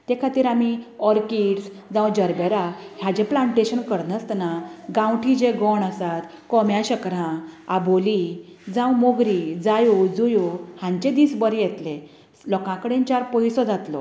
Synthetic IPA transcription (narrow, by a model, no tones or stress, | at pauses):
t̪ekʰat̪iːɾamiɔɾkiʈs | d͡zãwd͡ʑəɾbeɾaɦjad͡ʑeplaɳʈeɕənkəɾnəst̪naɡãwʈʰĩd͡ʑeɡɔɳəsat̪ | kɔmjaɕəkɾãaboli | d͡zãwmoɡɾid͡zajud͡zujohãɲt͡ɕed̪iːsbəɾijɛt̪lẽ | lɔkãkəɽẽnt͡ɕaɾpɔjsɔd͡zat̪lɔ̰